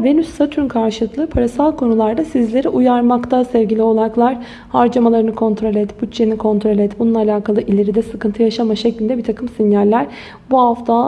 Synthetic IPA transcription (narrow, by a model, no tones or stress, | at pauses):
venysːat̪ʰynkʰaɾʃɯlˠɯklˠɯpʰaɾasalˠkʰo̞nulˠaɾd̪asizlʲe̞ɾiʔujaɾmakt̪ʰasɛvɡɟilʲio̞lˠaɾaklˠaɾ | haɾd͡ʒamalˠaɾɯnɯkʰo̞nt̪ʰɾo̞lʲɛt̪but͡ʃt͡ʃːenikʰo̞nt̪ʰɾo̞lʲɛt̪bununːˠalʲaːkʰalˠɯʔilʲe̞ɾid̪ɛsɯkɯnt̪ʰɯjaʃamaʃɛclʲind̪ɛbiɾt̪ʰakʰɯmsinjælʲːæɾ | buhaft̪ʰa